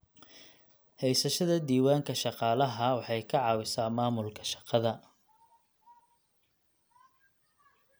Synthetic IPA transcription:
hɛjsɐʃɐðɐd̪iːwaːŋkʰɐʃɑqɑːlɐɦɐwɑħɑjkʰɐʕɑːwɪsaːmaːmʊlkʰɐ̥ʃɑ̥qɑðɐ

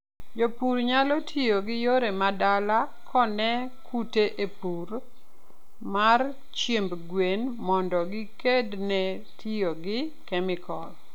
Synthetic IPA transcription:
jopuɾɲalɔtʰijoɡɪjoɾemadala | kʰɔnɛ | kuteʔepuɾ | mar | t͡ʃembɡwenmɔndɔɡɪkednɛ | tijoɡɪ | kɛmɪkɔl

